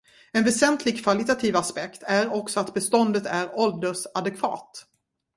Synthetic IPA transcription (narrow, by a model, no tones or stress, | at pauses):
ɛnvɛsɛnt̪ʰlɪɡ̚kʰvalɪt̪at̪ʰiːvaspɛkt̪ʰæɾɔksɔat̪bɛst̪ɔnd̪ət̪æɾɔld̪əʂad̪ɛkʰvɑ̰ːt̪